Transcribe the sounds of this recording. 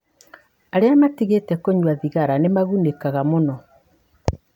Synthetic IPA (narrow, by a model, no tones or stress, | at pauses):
aɾeamatiɣetɛkoɲwaðiɣaɾanemaɣunekaɣamonɔ